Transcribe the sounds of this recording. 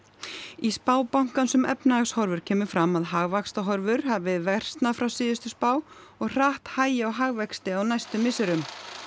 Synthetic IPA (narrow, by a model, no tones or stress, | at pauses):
ispaːwpawŋ̥kansʏmɛ̰pnaaɣshɔɾvʏɾ̥cʰɛːmʏfɾamːaðɦaɣvakst̪aɦɔɾvʏɾ̥havɪvɛr̥st̪nafɾawsɪːðʏst̪ʏspaːwɔɣr̥aht̪haːjɪaɣɦaɣvɛkst̪ɪawnajst̪ʏmːɪsʏɾʏm